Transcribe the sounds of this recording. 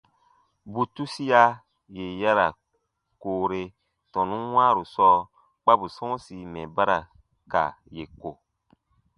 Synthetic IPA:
bu˨tu˦si˦a˦ | je˨ja˦ɾa˨ | koː˨ɾe˧ | tɔ̃˨nũ˦wãː˦ɾu˨sɔː˦ | k͡pa˦bu˨sɔ̃˦si˨mɛ˨ba˦ɾa˨ | ka̰˨je˨ko˨

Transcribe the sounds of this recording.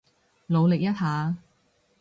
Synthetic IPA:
lo˨˧wlɪ˨k̚jɐ˥t̚ɦaː˨˧

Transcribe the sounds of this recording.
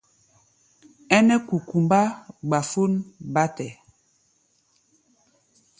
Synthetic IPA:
ɛ˦nɛ˦ku˨ku˨mba˦ɡ͡ba˨fu˦nba˦tɛ˨

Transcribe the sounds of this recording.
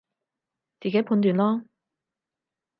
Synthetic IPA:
t͡siː˨keː˨˥pʰuː˧nt̪yː˨nlɔː˥

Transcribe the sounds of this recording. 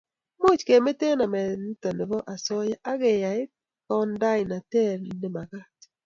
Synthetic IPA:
mo˦˨t͡ʃke˨me˦te˦na˨mɛ˨n˦to˨ne˨βɔ˦ʔa˨sɔ˦ja˦ʔa˦ɣɛ˨ja˨ɪ˦ | kɔ˦nda˦ɪ˨na˨tɛ˦˨ɾnɪ˨ma˨ɣa˦t

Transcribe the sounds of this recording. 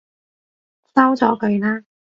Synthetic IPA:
sɐ˥wt͡sɔː˨˧˥kɵ˨˧ɥnaː˥

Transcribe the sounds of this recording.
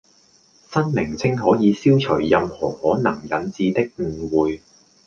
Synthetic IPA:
sɐ˥nmɪ˨˩ŋt͡sʰɪ˥ŋɦɔː˨˥jiː˨˧siː˥wt͡ʃʰɵ˨˩ɥjɐ˨˧mhɔː˨˩hɔː˨˥nɐ˨˩ŋjɐ˨nt͡siː˧t̪ɪ˥k̚ŋ̩˨˩wuː˨j

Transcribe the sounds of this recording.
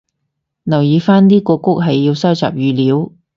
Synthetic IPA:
nɐ˨˩wjiː˨˧faː˥nniː˥kɔː˧kʊ˥k̚ɦɐ˨jːiː˧wsɐ˥wt͡sa̰ː˨p̚jyː˨˧liː˨˥w

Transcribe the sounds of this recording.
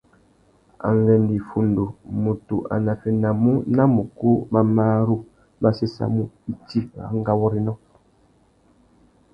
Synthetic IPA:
a̰˨ŋ˦ɡɛ˨ndi˨fu˨ndo˨mu˨tu˨ʔa̰˨na˨fɛ˨na˨mu˦na˦mu˨ko˦ma˦maː˦ɾu˦ | ma˦se˦sa̰˦mu˦i˦ti˦ɣa̰˨˦ŋ˦ɡa˦wɔ˦ɾi˦nɔ˦

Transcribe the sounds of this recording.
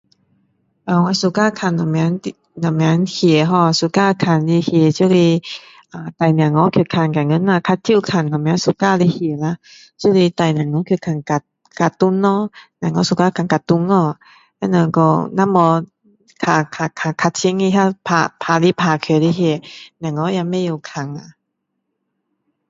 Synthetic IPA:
ʔaː˨˩wa˧˨su˧˦kaː˧˥˨kʰa˧˨nːɔ˨mɛ˧˦ni˧ | nɔ˨mɛ˧˦nhʰi˨˩˨ə˦ɦɔ˧˩˧su˧˦kaː˧˥˧kʰa˧˩nli˧hi˧˩ə˨t͡ɕi˧˦˨li˧˩ | ʔaː˨t̪a˨˩jna˨˩ŋːɔ˧˦k̚ʰkʰa˧˩˨nka˨˩ŋɯ˧˥˨nmaː˧kʰa˧tt̪ʰːi˧˥˨kʰa˧˩˨nkɔ˨mɛ˧˦nsu˧˦kaː˧˨li˧hi˨˩ə˦la˧ | t͡ɕi˧˦˨li˧t̪a˨jna˨˩ŋɔ˧˦kʰɯ˧˩kʰa˧˩˨nka˧˩t̪̚ | ka˧˩t̪u˧˥˨nːɔ˧˦na˨ŋɔ˧˥˦su˧kaː˧kʰa˧˨ŋka˧t̪u˧˨ŋːɔ˧˩ | a˧˨na˧˩kɔ˧˩na˧˨mːɔ˧ | kʰa˧˩kʰa˧˩kʰa˧kʰa˧t̪̚sʰi˧˦ŋi˧ɦa˧pʰa˧˩pʰaː˧˩li˧˦pʰaː˧˩kʰi˨li˧hi˧˩ə˨na˨˩˨ŋːɔ˧˦ja˧˨ma˧˨ju˧˨kʰa˨˩ŋa˧˨

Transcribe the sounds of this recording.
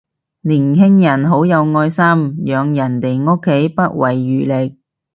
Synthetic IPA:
liː˨˩nɦɪ˥ŋjɐ˨˩nɦo˨˥wjɐ˨˧wŋɔː˧jsɐ˥mjœː˨˧ŋjɐ˨˩nt̪e˨jŋo˥kʰːe˨˥jpɐ˥t̚wɐ˨˩jːyː˨˩lɪ˨k̚

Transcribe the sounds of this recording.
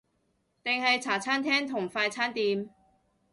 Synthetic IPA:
t̪ɪ˨ŋhɐ˨jt͡sʰaː˨˩t͡sʰaː˥nt̪ʰɛː˥ŋt̪ʰʊ˨˩ŋfaː˧jt͡sʰaː˥nt̪iː˨˧m

